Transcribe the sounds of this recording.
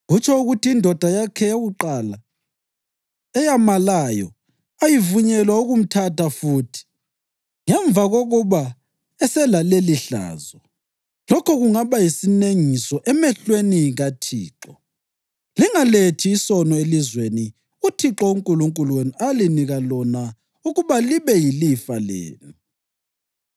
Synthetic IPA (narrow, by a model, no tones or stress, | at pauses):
ɣut͡ʃʰɛuɣutʰiːndʱɔd̥ʱajakʰɛjeɣuǃala | ɛjamalajɔ̰ | ajivuɲɛlwauɣum̩tʰatafuːtʰi̥ | ŋɛɱvaɣoɣuβa | ɛsɛlaleliɬa̰ːzɔ | lɔkʰɔɣuŋaβajisineŋisɔʔɛmɛɬweniɣatʰiːǁɔ | liŋaletʰiːsɔnɔelizweni | utʰiǁɔuŋkʼuluŋkʼuluwenualiniɣalɔna | uɣuβaliβɛjilifalḛːnu